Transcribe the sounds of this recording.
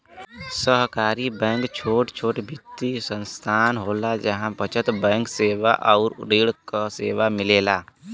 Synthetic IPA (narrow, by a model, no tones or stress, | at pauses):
səɦkaːɾibɛ̃ːŋkt͡ʃʰoːʈt͡ʃʰoːʈbʱɪt̪ːisə̃nst̪ʰaːnɦoːlad͡ʒəɦãpət͡ʃʰət̪bɛ̃ːŋkseːʋa̰ʔɔːɾːeːɽkaseːʋamɪleːlaː